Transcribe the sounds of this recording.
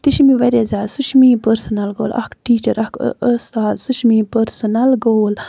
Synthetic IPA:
t̪iʃimiʋɐɾʲezaːsuʃmiːpəɾsɐnɐlɡo̰ːlɐ̰kʈiːt͡ʃɐɾʔɐkʰəst̪aːd̪suʃmipəɾsɐnɐlɡoːl

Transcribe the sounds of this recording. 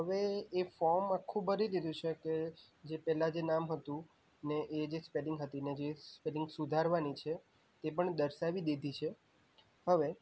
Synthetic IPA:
ɦəʋeːfɔɾmakʰːũbəɾid̪id̪ʱũt͡ʃʰeke | d͡ʒepɛɦlad͡ʒenamɦət̪ũ | neʔed͡ʒespelɪŋɡɦət̪ined͡ʒespelɪ̃ŋɡsud̪ʱaɾʋanit͡ʃʰe | t̪epəɳd̪əɾʃaʋid̪ed̪ʱit͡ʃʰe | həʋe

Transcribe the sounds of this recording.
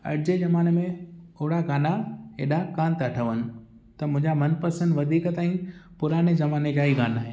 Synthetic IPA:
ɐ̰ɾd͡ʑezɐmaːnmẽʊɦɽaɡaːnaeːɗakaːnt̪ɐʈʰəʋənɪ̆ | t̪ɐmʊ̃ɦɪ̃ɲd͡ʑamɐnpɐsə̃nd̪ʋɐd̪ʱiːkt̪aːĩpʊɾaːnezɐmaːned͡ʑaːiɡaːnaɦeː

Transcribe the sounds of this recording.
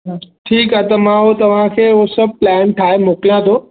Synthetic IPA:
ʈʰiːkaːt̪ɐmãɦot̪ɐʋ̤ãkʰeːɦosɐb̚ʱplɛːnʈʰaːɦemoːklijãt̪ʰoː

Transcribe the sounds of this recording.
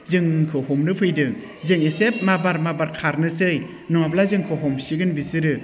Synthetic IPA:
zɯŋkʰɯhɔmnɯpʰɯjdɯŋ | zɯŋesep̚mabaɾmabaɾkʰaɾnɯsɯj | nɔŋap̬̚lazɯŋkʰɯɦɔmsiɡɯnbisɯɾɯ

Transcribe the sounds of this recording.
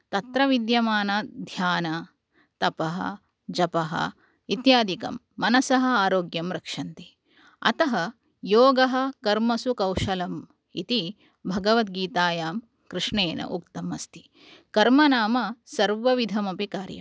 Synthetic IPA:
t̪ɐt̪ɾɐʋid̪jɐmaːnɐd̪ʱjaːnɐ | t̪ɐpɐɦɐ̰̆ | d͡ʒɐpɐɦɐ̰ | it̪jaːd̪ikɐ̰mːɐnɐsɐɦɐ̆aːɾoːɡjɐmɾɐkʂɐnt̪i | ɐ̰t̪ɐɦɐ | joːɡɐɦɐ̆kɐɾmɐsukɐwʂɐlɐm | ḭt̪i | bʱɐɡɐʋɐt̪ɡiːt̪aːjaːm | kɾɨʂɳeːnɐ̰ʔuk̚t̪ɐmɐst̪i̥ | kɐɾmɐnaːmɐsɐɾʋɐʋid̪ʱɐmɐpikaːɾjɐ̰

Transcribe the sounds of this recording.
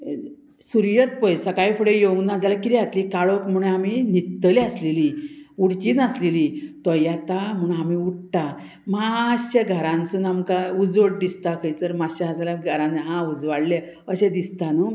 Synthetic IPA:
suɾjət̪̚pɔjsakajfəɽejoɡnad͡zalakiɾiɦat̪likaɭokm̤uɽ̃eaminit̪ːəliasleliuɽt͡ɕiːnəslelit̪ɔjat̪am̤uɳamiuʈʈa | maɕəɡʱəɾãnsunamkaud͡zʋəʈ̚d̪ist̪akʰəjt͡səɾmaɕəɦad͡zalaɡʱəɾãnɦãud͡zʋaɽle | əɕẽd̪ist̪anu

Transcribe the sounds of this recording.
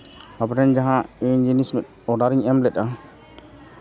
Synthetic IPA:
apʈɛnd͡ʒaɦãind͡ʒinismɛt̪̚ | ɔɖaɾiŋɛmlɛt̪̚ˀa

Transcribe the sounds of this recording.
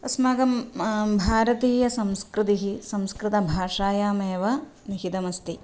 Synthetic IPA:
ɐsmaːɡɐmbʱaːɾɐt̪iːjɐsɐmskɾɪt̪iɦisɐmskɾɪt̪ɐbʱaːʂaːjaːmeːʋɐ | niɦit̪ɐmɐst̪i

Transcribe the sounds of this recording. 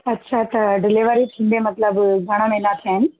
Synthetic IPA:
ɐtːɕʰat̪ɐɖɪleʋəɾit̪ʰĩːnd̪emɐt̪ləbɡʱɐɽ̃əmẽnat̪ʰijaːɦɪnɪ

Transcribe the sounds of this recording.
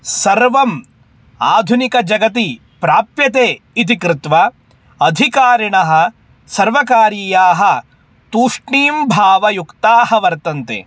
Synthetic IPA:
sɐɾʋɐm | aːd̪ʱunikɐd͡ʒɐɡɐt̪i | pɾaːpjɐt̪eː | it̪̬ikɾɪt̪ʋɐ | ɐd̪ʱikaːɾiɳɐɦɐ̆ | sɐɾʋɐkaːɾiːjaːɦɐ | t̪uːʂɳiːmbʱaːʋɐjukt̪aːhɐʋɐɾt̪ɐnt̪ḛ

